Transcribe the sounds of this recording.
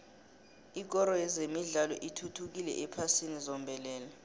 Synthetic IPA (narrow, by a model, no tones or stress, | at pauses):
ik̬ʼɔɾɔjɛzemiɮalɔ̰ʔitʰutʰuk̬ilɛ̰ʔɛpʰasinizɔmbʱɛlɛːlɛ